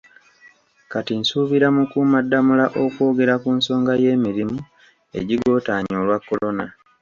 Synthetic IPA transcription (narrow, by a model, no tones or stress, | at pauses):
katinsuːβiɾamukumadːamulaʔo̞kwo̞ːɡe̞ɾakunso̞ːŋɡaje̞ːmiɾimu | e̞̰ɟiɡo̞ːtaːɲoːlwakːo̞lo̞na